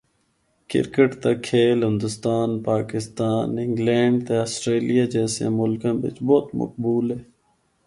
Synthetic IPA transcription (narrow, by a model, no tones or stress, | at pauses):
kɪ̰ɾkəʈt̪aːkʰeːlɦɪ̃nd̪ʊst̪aːnpaːkɪst̪aːnɪ̃ŋɡlɛ̃ːɳɖt̪eəsʈɾeːlijaːd͡ʒɛːsjã̰ːmʊlkãːbɪ̰t͡ʃboːt̪mə̰k̚buːlɦeː